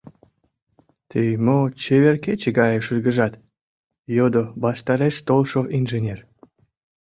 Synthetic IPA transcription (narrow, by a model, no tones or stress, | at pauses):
t̪ʰejmot͡ɕeβerket͡ɕəɡɑjə̆ʃɯrɡəʒɑt̪ | jod̪obɑʃt̪ɑɾeʃt̪olʃoʔinʒenʲer